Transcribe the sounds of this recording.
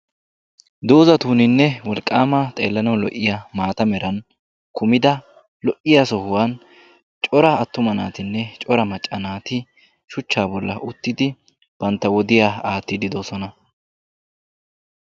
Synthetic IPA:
d̪o̞ːzɐt̪uːnɪnːɛwɔlkʼːaːmɐt̪ʼe̞ːlːɐnɐlɔ̰ʔːɪjamaːt̪ɐmɛɾɐn | kʊmɪd̪ɐ | lɔʔɪjasɔhʊwaːn | t͡ʃʼɔɾɐɐt̪ːʊmɐnaːt̪ɪnːɛt͡ʃʼɔɾɐmɐt͡ʃʼːɐnaːt̪ɪ | ʃʊt͡ʃːaːbɔlːɐ̰ʔʊt̪ːɪd̪ɪ | b̥ɐnt̪ːɐwɔd̪ɪjaːaːt̪ːɪd̪ɪd̪oːsɔnɐ

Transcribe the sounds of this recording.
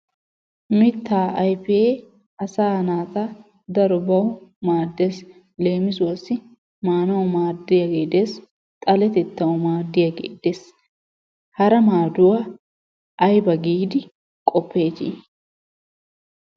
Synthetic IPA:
mɪt̪ːaːʔɐjfee | ɐsaːnaːt̪a | d̪ɐɾɔbɐwʊmaːd̪ːeːs | le̞ːmɪsʊwɐsːɪ | maːnɐwʊmaːd̪ːɪjɐɡeːd̪eːs | t̪ʼɐlɛt̪ɛt̪ːɐwʊmaːd̪ːɪjɐɡḛːd̪eːs | hɐɾɐmaːd̪ʊwa | ʔɐjbɐɡiːd̪ɪ | kʼɔpːe̞ːd͡ʒḭ

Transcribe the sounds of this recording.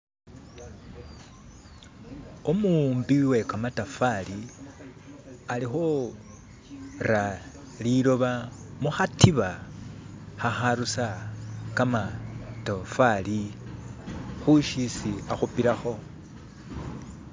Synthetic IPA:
omumbiwe̞kamatafali | alixo | ra | liɾo̞βamuxatiβa | xaxaɾusakamatofali | xuʃisiaxupiɾaxo̞

